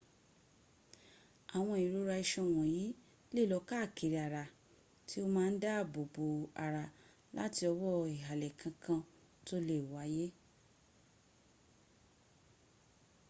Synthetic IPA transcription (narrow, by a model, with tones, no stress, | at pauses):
a˨w̃ɔ̃˧i˨ɾu˨˦ɾa˧i˧ʃɔ̃˧˨w̃ɔ̃˨jiː˨˦ | le˦˨lɔ˨˧˦ka˦˨ke˨ɾi˨a˨ɾa˨ | tʰi˦o˦mãː˦n̩˦da˦˨bo˨bo˨a̰˨ɾa˧ | la̰˦ti˧ɔ˧wɔ˦i˨ɦa˨lɛ˨kʰã˧kʰã˧ | to˦le˦˨wa˨˦je˦